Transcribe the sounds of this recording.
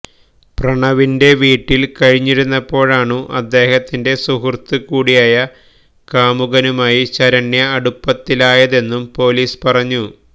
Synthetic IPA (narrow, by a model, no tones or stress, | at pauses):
prɐɳɐʋinde̞ʋiːʈːilkɐɻiɲːiɾunːɐpːo̞ːɻaːɳuʔɐd̪ːe̞ːhɐt̪ːinde̞suhrt̪ːɨkuːɽijaːjɐ | kaːmuɣɐnumaːjiɕɐɾɐnjɐːɽupːɐt̪ːilaːjɐðe̞nːumpo̞ːliːspɐrɐɲːu